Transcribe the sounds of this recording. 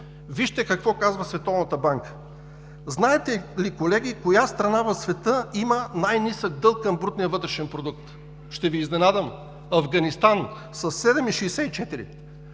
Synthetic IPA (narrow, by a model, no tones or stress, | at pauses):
viʃt̪ɛkɐkvɔkazvəsvɛt̪ɔvnət̪əbaŋkə̥ | znaɛt̪ɛlikolɛɡʲikojast̪ɾɐnavɐsvɛt̪ɤimənajnisəɡ̚d̪ɤlˠkːɐmbɾut̪nijəvɤt̪ɾɛʃɛnpɾod̪uk̚t̪ | ʃt̪ɛviːznɛnad̪əm | ɐvɡɐnist̪an | sɐsːɛd̪ɛmiʃɛjsɛit͡ʃɛt̪iɾḭ